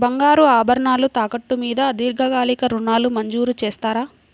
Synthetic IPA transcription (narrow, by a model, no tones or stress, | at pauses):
bɐŋɡaːɾuaːbʱɐɾɐɳaːlut̪aːkɐʈːumiːd̪ɐːd̪iːɾɡʱɐɡaːlikɐɾuɳːaːlumɐɲd͡ʒuːɾut͡ʃɛːst̪aːɾaː